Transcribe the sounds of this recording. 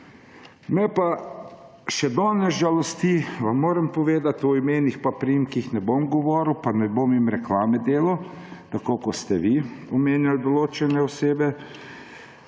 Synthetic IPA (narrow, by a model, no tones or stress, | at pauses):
mɛpa | ʃɛd̪ɔnɛʒalɔst̪iʋamːoːɾɛmpɔʋeːd̪at̪ɔimeːnixpapɾijimkixnɛbomɡɔʋɔːɾwpanɛbomimɾɛklaːmɛd̪eːlɔ | t̪akokɔst̪ɛʋiɔmeːnjald̪ɔloːt͡ʃɛnɛɔseːbɛ